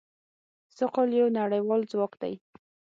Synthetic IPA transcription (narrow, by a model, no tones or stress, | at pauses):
sʊqoljawnaɽajwɑld͡zwɑkd̪a̰j